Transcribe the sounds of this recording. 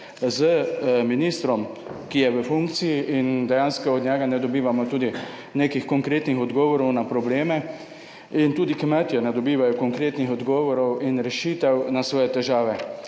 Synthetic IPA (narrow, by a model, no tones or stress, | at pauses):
zəminiːst̪ɾɔmkijɛʋəfuŋkt̪sijiʔind̪ɛjanskɔɔd̪ɲɛɡanɛd̪ɔbiːʋamɔt̪uːd̪i | neːkixkɔŋkɾeːt̪nixɔd̪ɡɔːʋɔɾɔwnapɾɔbleːmɛ | int̪uːd̪ikmɛt̪jɛnɛd̪ɔbiːʋajɔkɔŋkɾeːt̪nixɔd̪ɡɔːʋɔɾɔwinɾɛʃiːt̪ɛwnasʋɔːjɛt̪ɛʒaːʋɛ